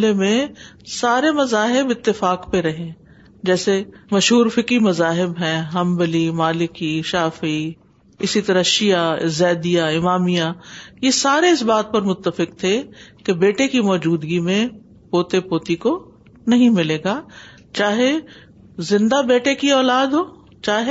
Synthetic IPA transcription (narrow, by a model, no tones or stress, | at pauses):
lemẽ | saːɾemɐzaːɦɪbɪt̪ːɪfaːkpeɾɐɦẽː | d͡ʒɛːsemɐʃɦuːɾfɪkɾimɐzaːɦɪbɦɛ̃ːɦɐ̃mbəlimaːlɪkiʃaːfi | ɪsit̪ɐɾəʃijaɪzɛːd̪ijaɪmaːmijajesaːɾeɪsbaːt̪̚pɐɾmʊt̪ːəfɪkt̪ʰekebeːʈekimɔːd͡ʒuːd̪ɡimẽ | poːt̪epoːt̪iko | nɐɦĩmɪleːɡaː | t͡ʃaːɦe | zɪ̃nd̪abeːʈekiɔːlaːd̪ɦoː | t͡ʃaːɦe